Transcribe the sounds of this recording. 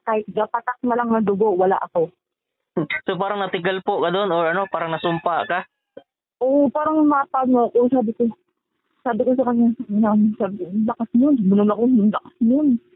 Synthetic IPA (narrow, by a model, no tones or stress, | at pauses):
kaːhɪt̪̚ɡapɐt̪ak̚mɐlaŋnɐd̪ʊɡoʔwɐla̰ʔɐko̞ | sopaːɾɐŋnɐt̪ɪɡɐlpokɐd̪o̞noɹɐno̞paːɾɐŋnɐsʊmpaka | ʔopaːɾɐŋmɐpaɡ̚nokosaːbɪko | saːbɪkos̬ɐkɐɲasɐmɪnansaːbɪkolɐkasɲonsʊmʊnonɐkoʊnlɐkasɲon